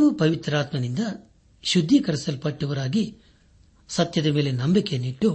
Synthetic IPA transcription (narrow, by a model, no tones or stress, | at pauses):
ʋupɐʋit̪ɾaːt̪mɐnind̪ɐ | ʃud̪ʱːikɐɾisɐlpɐʈːuʋɐɾaːɡi | sɐt̪jɐd̪ɐme̞ːle̞nɐmbikeniʈːu